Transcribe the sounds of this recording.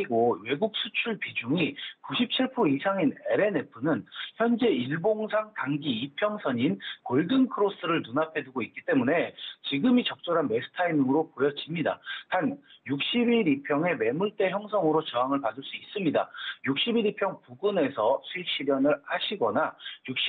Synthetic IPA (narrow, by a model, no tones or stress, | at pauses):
ɡowe̞ɡuk̚s͈ʰut͡ɕʰuɭpid͡ʑuŋikuɕʰip̚t͡ɕʰiɭpʰuisʰaŋineɾe̞ne̞pʰɯnɯnçjʌnd͡ʑe̞iɭboŋsʰaŋtaŋɡiipʰjʌŋsʰʌɲinkoɭdɯnkʰɯɾos͈ɯɾɯɭnunapʰe̞duɡoit̚k͈it͈e̞mune̞t͡ɕiɡɯmit͡ɕʌk̚t͡ɕ͈oɾɦanme̞sʰɯ̥tʰainɯŋɯɾopojʌd͡ʑimɲida̰tanjuk̚ɕ͈ibiɾipʰjʌŋe̞me̞muɭt͈e̞çjʌŋsʰʌŋɯɾot͡ɕʌɦaŋɯɭpadɯɭs͈uis͈ɯmɲida̰juk̚ɕ͈ibiɾipʰjʌŋpuɡɯne̞sʰʌsʰuik̚ɕ͈iɾjʌnɯɭhaɕʰiɡʌnajuk̚ɕ͈